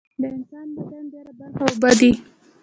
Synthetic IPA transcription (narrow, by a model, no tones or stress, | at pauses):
d̪əɪnsɑnd̪əsand̪eɾabahawʊbad̪i